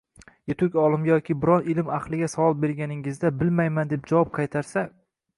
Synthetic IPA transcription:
jet̪ʰʊkʲɒlˠɪmjɒkʲʰɪbɪɾɒnɪlɪmaχlˠɪɡʲasavɒlˠbe̞ɾɡʲanɪŋɪzd̪abɪlmajmand̪e̞p̚d͡ʒavɒp̚qʰɑjt̪ʰaɾsa

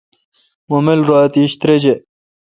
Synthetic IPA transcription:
womelɾoːt̪iːɕt̪ɾed͡ʑe

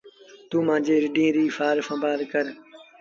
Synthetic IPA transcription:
t̪uːmãːd͡ʒeːɾɪɖĩːɾiːfaːɾfə̃ːbaːlkəɾ

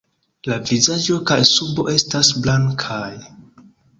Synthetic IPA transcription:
lavizad͡ʒo̞kajsubo̞̰ʔe̞stasblaŋkʰaj

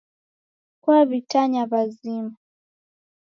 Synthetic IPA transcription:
kuaβitaɲaβazima

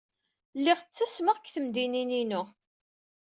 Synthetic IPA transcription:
lːɪʁt͡sːæsməʁkθəmd̪inininʊ

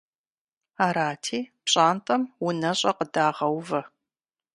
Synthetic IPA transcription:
aːɾaːtʰiːpɕʼaːntʼɐmwʊnɐɕʼɐqədaːʁɐwvɐ

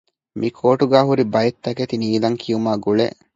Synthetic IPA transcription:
mʔikʰoːʈuɡaːɦuɾibɐjet̪ːɐket̪iniːd̪ɐŋkʰijumaːɡuɭḛʔ

